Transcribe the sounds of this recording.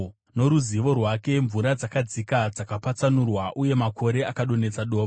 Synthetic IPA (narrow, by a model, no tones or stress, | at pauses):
no̞ɾuziʋo̞rwake̞ɱvuɾad͡zakad͡zikad͡zakapat͡sanurwaʔuje̞makʰo̞ɾe̞akaɗo̞ne̞t͡saɗo̞ːʋ